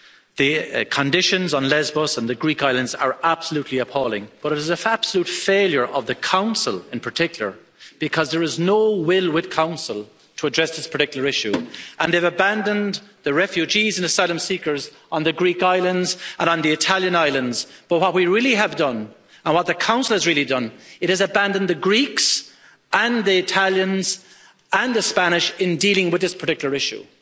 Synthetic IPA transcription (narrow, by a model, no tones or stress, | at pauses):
ðəkʰə̃ndɪʃə̃nzn̩lɛzbəsə̃nðɨɡɹikaɪlə̃ndzə̰˞ab̥səlutʰˡliəpʰɔːlˠɪ̰̃ŋb̥ʌɾɨɾɪzəab̥səlutfeɪlˠjə˞ʔʌvðəkʰãʊ̃nsə̰lˠɪ̃npʰə˞tʰɪkjl̩ˠə̰˞ | b̥ɪkʰʌzðə˞ɪznoʊwɪlˠwɪð̥kʰãʊ̃nsəlˠ | tʰəːdɹɛsðɪspʰə̥˞tɪkjl̩ˠə˞ɪʃʉʔə̃nðeɪvəbãndə̃nðəɹɛfjʉd͡ʒizɨ̃nəsaɪlə̃msikə˞z̃ | n̩ðɨɡɹikaɪlə̃ndzə̃ɾ̃nə̃nðiɨtʰalˠjə̃naɪlə̃ndz̥b̥ʌt̚wʌt̚wiɹɪlˠiəvdʌ̃n | ə̃nwʌt̪̚ðəkʰãʊ̃nsl̩ˠəzɹilˠidʌ̃nɨɾ̚ɨzəbãndə̃n̩ðəɡɹiks | ə̃nðiɪtʰaljə̃nz | ə̃nðəspæñɪʃɪ̃ndilɪ̃ŋwɨðɪspʰə̥˞tɪkjl̩ə˞ɪʃṵ